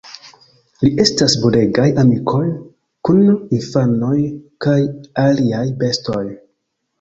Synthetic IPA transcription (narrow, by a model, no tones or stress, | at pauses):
liʔe̞stasbule̞ɡajamikʰo̞j | kuninfano̞jkajaliajbe̞sto̞j